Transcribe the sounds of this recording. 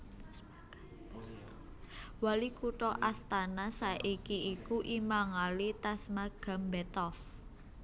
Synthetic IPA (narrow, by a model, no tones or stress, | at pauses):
walikuʈɔʔast̪anasaʔikiːkuʔimaŋalit̪asmaɡ̥a̤mbɛt̪ɔf